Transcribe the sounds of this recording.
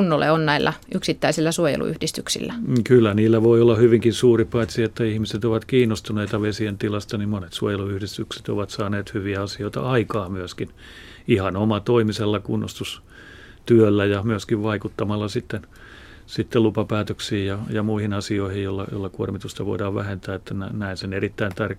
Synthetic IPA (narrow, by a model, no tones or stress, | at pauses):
unːolḛonnæilːæ̰ʔyksit̪ːæisilːæsuojḛlṵy̰hdist̪yksḭlːækylːæniːlːæʋoiolːɑhyʋiŋkinsuːripɑit̪siet̪ːæihmiset̪oʋɑt̪kiːnːost̪uneit̪ɑʋesient̪ilɑst̪ɑnimmonet̪suojeluyhdist̪ykse̥t̪o̰ʋɑt̪sɑːneːt̪hyʋiæɑsioit̪ɑ̰ʔɑikɑːmyøskin | ihɑnomɑt̪oimiselːɑkunːo̰st̪us | t̪yølːæjɑmyøskiʋʋɑikut̪ːɑmɑlːɑsit̪ːen | sit̪ːelupɑpæːt̪øksiːjjɑjɑmuihinɑsioihijjolːɑ̰jo̰lːɑkuormit̪ust̪ɑʋo̰idɑːʋʋæ̰hent̪æːet̪ːænænæinsenerit̪ːæint̪ɑr